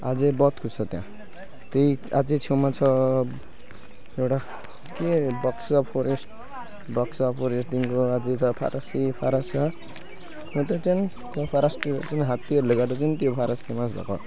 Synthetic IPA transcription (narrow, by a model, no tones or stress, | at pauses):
a̰d͡zebʌt̪kʰusʌt̪jã̰ | t̪ejad͡zet͡sʰewmat͡sʰʌ | ewʈa | kebʌksʌpʰoɾesʈ | bʌksapʰoɾesʈt̪inkoad͡zet͡sʰʌpʰa̰ɾʔʌsipʰaɾasa | ɦõt̪et͡sʌn | t̪opʰaɾasʈit͡sʌnɦat̪ːiʌɾleɡad̪ʌt͡sʌnit̪jopʰaɾasi̥kemasbʱa̰kɔ̰